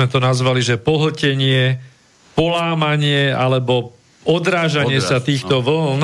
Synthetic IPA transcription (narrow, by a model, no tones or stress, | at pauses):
mɛt̪ɔnazʋaliʒɛpɔɦl̩cɛɲɪɛ | pɔlaːmaɲɪɛalɛbɔ | ɔd̪ɾaːʒaɲɪɛsat̪iːxt̪ɔʋl̩n